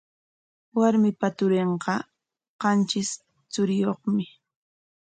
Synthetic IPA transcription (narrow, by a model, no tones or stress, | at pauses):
waɾmɪpat̪ʊɾeɴqɑ | qɑnt͡ʃɪs | t͡sʊɾɪjoχmɪ